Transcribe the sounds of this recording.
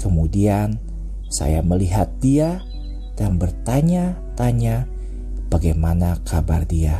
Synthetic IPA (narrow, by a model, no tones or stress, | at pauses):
kəmudian | sa̰jaməliɦat̪̚d̥ia | d̥anbərt̪aɲa | t̪aɲa | b̥aɡajmanakʰabardia